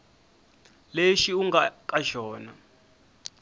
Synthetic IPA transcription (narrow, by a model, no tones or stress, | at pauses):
leʃiuŋɡakʼaʒɔːna̰